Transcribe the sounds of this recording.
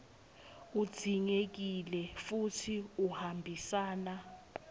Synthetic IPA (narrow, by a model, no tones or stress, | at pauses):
ud̥z̥ʱiŋek̬ilɛfutʰiuhambʱisaːna